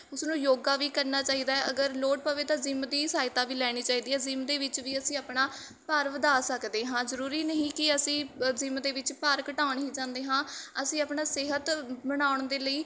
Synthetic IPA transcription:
ʊsnũːjoːɡaːʋiːkəɾnaːt͡ʃaːiːd̪aːɛʔəɡəɾloːʈ̚pəʋeːt̪ãːzɪmd̪iːsaːɪt̪aːʋiːlɛːɽ̃iːt͡ʃaːiːd̪iːɦɛːzɪmd̪eːʋɪt͡ʃʋiːəsĩːaːpɳaː | pəɾʋəd̪aːsəkd̪eːɦãːzəɾuːɾiːnəɦĩːkɪəsĩːzɪmd̪eːʋɪt͡ʃpəɾkəʈaːʊɳɦiːd͡ʒãːnd̪eːɦãːəsĩːaːpɳaːseɦət̪bəɽ̃aːʊɳd̪eːləiː

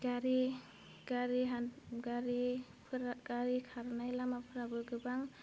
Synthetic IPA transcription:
ɡaɾi | ɡ̥aɾiɦaɡaɾi | pʰɾɡaɾikʰaɾnajlamapʰɯɾabɯɡɯbaŋ

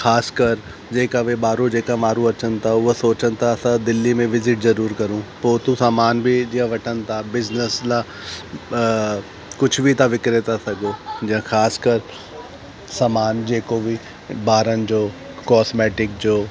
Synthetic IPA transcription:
xʰaːskəɾ | d͡ʒeːkaʋebaːɾõd͡ʒeːkamaːɾũɐt͡ʃʰənt̪ʰaosoːt͡ʃənt̪ʰaɐsad̪ɪlːimẽʋɪzɪʈzɐɾuːɾkɐɾũpoːt̪ũsaːmaːnbʱid͡ʒiãʋɐʈʰənt̪ʰabɪznəsla | kʊt͡ʃʰbʱit̪aʋɪkɾɪt̪asɐɡoːd͡ʒɐ̃kʰaːskəɾ | samaːnd͡ʒeːkobʱi | baːɾənd͡ʒoː | kɔːsmɛːʈɪk̚d͡ʒoː

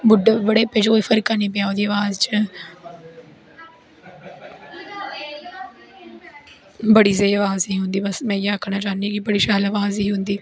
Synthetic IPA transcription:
bʊɖebəɽeːped͡ʒkoːiːfʰəɾkaːnĩːpɪjaːoːd̪iːaːʋaːzt͡ʃə | bəɽiːzeːaʋaːziːɦʊnd̪iːbəsmɛ̃ːjaəkʰːnaːt͡ʃaːniːkɪbəɽiːʃaːlaʋaːziːɦʊnd̪iː

